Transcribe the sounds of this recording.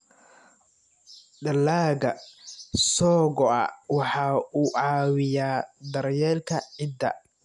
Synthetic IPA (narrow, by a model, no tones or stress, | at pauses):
ɖɐlːaːɣɐ | sɔːɣɔɐ̰wɑħɑːuːʕɑːwɪjaːd̪ɐɾjɛːlkʰɐʕɪd̪ːɐ̰